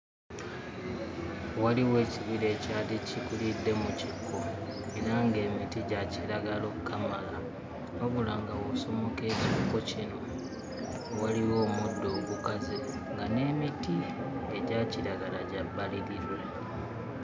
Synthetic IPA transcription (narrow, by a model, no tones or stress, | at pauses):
waliwe̞ːciβiɾe̞ːcaticikulidːe̞mucikʰːo̞eɾaŋɡe̞ːmitiɟaciɾaɡalokukʰːamala | oβula̰ŋɡawoso̞mo̞ke̞ːcikːo̞cino̞ | waliwo̞ːmudːo̞ːɡukaze | ŋɡane̞ːmitieɟaciɾaɡalaɟabːaliɾiɾwe